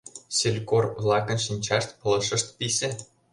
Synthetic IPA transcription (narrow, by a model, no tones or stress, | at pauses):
ɕelʲkorʋlˠɑkɤ̆nʃinʲt͡ɕɑʂt̪pɤ̆l̆ˠʂɤ̆ʂt̪pʲisʲɘ̆